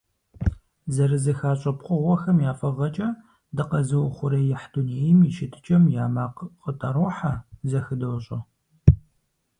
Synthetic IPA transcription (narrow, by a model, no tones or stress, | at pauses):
zɐɾɨzɐxaːɕʼɐpqʷʼʊʁʷɔxɐmjaːfɐʁɐt͡ʃʼɐ | dɨqɐzɨwʊχʷʊɾɐjɪħduneːjmiʃɪtʰɨ̥t͡ʃʼɐmjaːmaːqqʼətʼɐɾoːħazɐxɨdɐwɕʼɐ